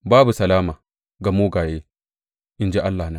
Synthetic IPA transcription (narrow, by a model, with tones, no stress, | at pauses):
baː˦bu˨sɐ˨laː˦ma˨ | ɡa˨mu˦ɡaː˨je˦ | ʔɪ˨nd͡ʒe˦ʔa˦lːa˨na˦